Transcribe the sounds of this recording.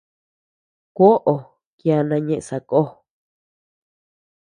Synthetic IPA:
kʷo˦ʔo˨ | kja˧nã˧ɲẽ˧ʔsa˨˧ko˦

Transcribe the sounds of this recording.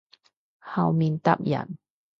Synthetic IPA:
ha˧˩wmi˧nt̪a̰˦˥p̚ja̰˨˩n

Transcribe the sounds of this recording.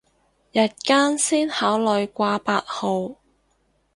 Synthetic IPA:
jɐ˨t̚kaː˥nsiː˥nhaː˨˥wlɔ˨˧jkʷaː˧paː˧t̚ho˨˧w

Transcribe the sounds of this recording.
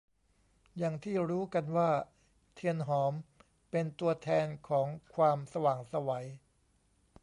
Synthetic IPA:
jaː˨˩ŋt̪ʰiː˥˩ɾuː˦˥ka˧nwaː˥˩ | t̪ʰi˧ənɦɔː˩˦m | pe˧nt̪u˧ɐt̪ʰɛː˧nkʰɔː˩˦ŋkʰwaː˧msa˧waː˨˩ŋsa˧wa˩˦j

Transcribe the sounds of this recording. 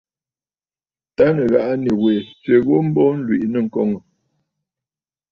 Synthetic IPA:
ta˦nə˨ɣa˦˨ʔa˦ni˨we˨t͡sɥe˨ɣo˦m̩˦bɔ˦n̩˦lwḭ˨ʔnə˦˨ŋ̩˨kɔ˦ŋə˨

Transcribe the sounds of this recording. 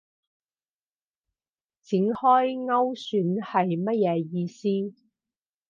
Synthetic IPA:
t͡sɪ˨˥ŋhɔː˥jŋɐ˥wsyː˨˥nhɐ˨jmɐ˥t̚jɛː˨˧jiː˧siː˥

